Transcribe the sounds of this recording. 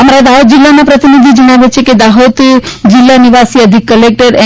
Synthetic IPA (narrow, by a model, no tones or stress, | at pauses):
əmaɾad̪aɦot̪̚d͡ʒilːanapɾət̪inid̪ʱid͡ʒəɽ̃aʋet͡ʃʰeked̪aɦot̪d͡ʒilːaniʋasiəd̪ʱikːəlek̚ʈəɾe